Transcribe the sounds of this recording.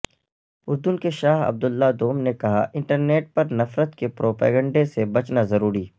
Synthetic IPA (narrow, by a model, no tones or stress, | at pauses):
ʊɾd̪ʊnkeʃaːɦɐ̰b̚d̪ʊlːad̪oːmnekɐɦa̰ʔɪ̃ɳʈəɾneːʈ̚pɐɾnɐfɾət̪kepɾoːpa̰ːɡə̃ɳɖesebɐt͡ʃnazɐɾuːɾiː